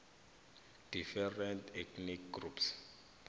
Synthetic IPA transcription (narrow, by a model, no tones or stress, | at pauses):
d̥ifɛrɛntʰɛkʰnikɡrups